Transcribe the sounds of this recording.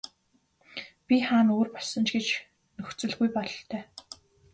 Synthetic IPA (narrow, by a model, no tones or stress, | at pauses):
pʲiχaːnoːrpɔɮsɞ̆nt͡ɕɡet͡ɕ | nɵxt͡sɵ̆ɮɣujpɔɮɬt̪ʰœː